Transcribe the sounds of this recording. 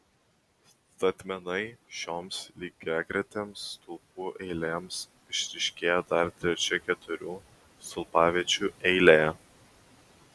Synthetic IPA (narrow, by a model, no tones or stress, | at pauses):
s | t̪ɐt̪ʲmʲɛnɐɪʃʲoːmslʲiːɡʲɛɡɾʲɛt̪ʲeːmsːt̪ʊlˠpuːʔɛɪlʲeːms | ɪʃʲɾʲɪʃʲkʲeːjɛd̪ɐɾt̪ʲɾʲɛt͡ʃʲɛkʲɛt̪ʊɾʲuː | st̪ʊlˠpɑːʋʲiɛt͡ʃʲuːɛɪlʲejɛ